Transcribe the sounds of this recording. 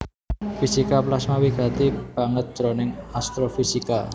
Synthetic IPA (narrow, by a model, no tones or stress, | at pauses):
fisikaplasmawiɡ̥a̤t̪ib̥a̤ŋət̪̚ʒ̥ɾonɪŋast̪ɾofisika